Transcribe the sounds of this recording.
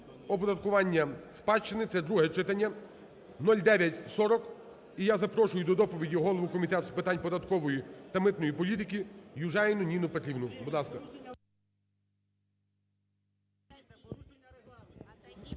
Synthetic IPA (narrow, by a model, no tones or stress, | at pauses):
ɔpɔd̪ɐt̪kʊʋɑnʲːɐspɑt͡ʃːɪnɪt̪sɛd̪ɾuɦɛt͡ʃɪt̪ɐnʲːɐ | nɔlʲd̪ɛʋʲjɐtʲsɔɾɔk | ijazɐpɾɔʃʊjʊd̪ɔd̪ɔpɔʋʲidʲiɦɔlˠɔʋʊkɔmʲit̪ɛt̪spɪt̪ɑnʲpɔd̪ɐt̪kɔʋɔjit̪ɐmɪt̪nɔjipɔlʲit̪ɪkʲijʊʒɑjnʊnʲinʊpet̪ɾʲiwnʊbʊd̪lˠɑskɐ